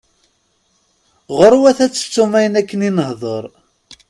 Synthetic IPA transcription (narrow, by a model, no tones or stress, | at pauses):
ʁəɾˤuwæθæt͡sːə̥t͡sːumæjənækːəninəhðˤəɾˤ